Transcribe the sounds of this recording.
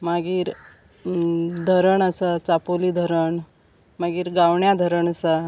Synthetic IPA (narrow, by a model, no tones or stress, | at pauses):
maɡiːɾ | d̪ʱəɾəɳəsət͡sapoliːd̪ʱəɾəɳ | maɡiːɾɡaʋɳjad̪ʱəɾəɳəsa